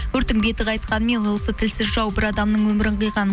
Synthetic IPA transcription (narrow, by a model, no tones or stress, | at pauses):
ɵɾt̪ɪŋbe̞t̪ɪqɑjt̪qɑnəmenwo̞sət̪ʰɪlsɪzʒɑwbɪɾɑd̪ɑmnəɴwɵmɪɾɪɴqəjʁɑn